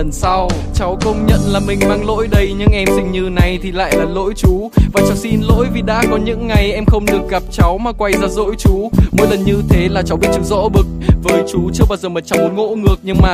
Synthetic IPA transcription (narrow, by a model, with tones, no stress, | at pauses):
ə˨˩nsa˧wt͡ɕa˨˦wkə˧wŋ͡mɲə̰˧˨nlaː˨˩mï˨˩ŋ̟maː˧ŋlo̰˧˥jɗə˧jɲɨ˧ŋʔɛ˧msï˧ŋ̟ɲɨ˧na˨˩jt̪ʰi˨˩la̰ː˧˨jlaː˨˩lo̰˧˥jt͡ɕu˨˦vaː˨˩t͡ɕa˨˦wsi˧nlo̰˧˥jvi˨˩ɗa̰ː˧˥kɔ˨˦ɲɨ̰˧˥ŋːa˨˩jʔɛ˧mxə˧wŋ͡mɗɨ˨˩ək̚ɣa˨˩p̚t͡ɕa˨˦wmaː˨˩kwa˧jzaː˧zo̰˧˥jt͡ɕu˨˦mo̰˧˥jlə˨˩nɲɨ˧t̪ʰe˨˦laː˨˩t͡ɕa˨˦wɓi˦˥t̚t͡ɕɨ˨˧˦zɔ̰˧˥ɓɨ˨˩k̚vəː˨˦jt͡ɕu˨˦t͡ɕɨ˧əɓaː˧wzəː˨˩mə˨˩t̚t͡ɕa˨˦wmo˨˦n̚ŋo̰˧˥ŋɨ˨˩ək̚ɲɨ˧ŋmaː˨˩